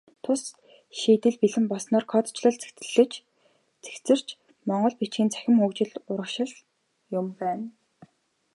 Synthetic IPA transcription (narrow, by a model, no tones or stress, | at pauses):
t̪ʰʊs | ʃiːt̪ɘ̆ɮpiɮɘ̆mpɔsnɔːrkʰɔt̪ʰt͡ɕɮɞ̆ɮt͡sɮɘ̆t͡ɕ | t͡se̥xt͡sɘ̆r̥t͡ɕ | mɔɴɢɞ̆ɮpit͡ɕxiːnt͡sʰæ̥xʲɪ̆mxukt͡ɕɪ̆ɮʊɾə̆kʃɪ̆ɮ | jʊmpæːn